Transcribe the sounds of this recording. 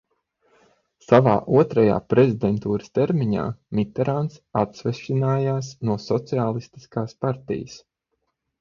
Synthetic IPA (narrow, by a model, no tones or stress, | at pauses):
sava̰ːʔuɔt̪ɾaja̰ːpɾɛzid̪ɛnt̪uːɾəst̪ɛɾmiɲa̰ːmʲit̪ɛɾant̪sat̪svɛʃinaːjaːs̬nuɔsɔt̪siaːlˠist̪i̥skaːspaɾt̪ḭjəs